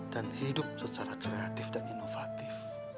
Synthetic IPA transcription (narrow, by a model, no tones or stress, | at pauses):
d̥anhidʊp̚sət͡ʃaɾakɾeat̪ɪfdaninofat̪if